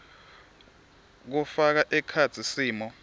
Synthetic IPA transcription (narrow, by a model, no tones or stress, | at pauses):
k̬ufak̬aʔɛkʰat͡sʰisiːmɔ